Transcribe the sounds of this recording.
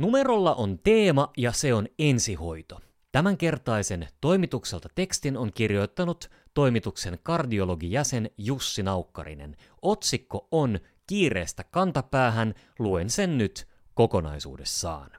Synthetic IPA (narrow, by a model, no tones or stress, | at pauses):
nume̞ro̞lːɑʔont̪e̞ːmɑjɑse̞o̞ne̞nsiho̞jt̪o | t̪æmæŋk̟e̞rt̪ɑise̞nt̪o̞jmit̪ukse̞lt̪ɑt̪e̞kst̪inoŋk̟irjo̞jt̪ːɑnut̪ː | o̞jmit̪ukse̞nkɑrdio̞lo̞ɡijæse̞njusːinɑukːɑ̰rḭne̞̰n | o̞t̪sikːo̞on | kiːre̞̰ːst̪ækɑnt̪ɑpæːɦæn | luense̞nnyt̪ | ko̞ko̞nɑ̰jsṵːde̞sːɑ̰ːn